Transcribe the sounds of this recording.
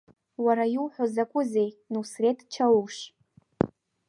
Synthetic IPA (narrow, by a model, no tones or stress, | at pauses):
waɾajiwħʷozakʷʼʊze̞jnusretʰʼt͡ʃʰawuʂ